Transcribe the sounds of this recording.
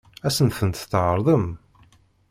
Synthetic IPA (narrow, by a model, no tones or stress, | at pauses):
æsənθənt̪θʕəɾˤðˤəm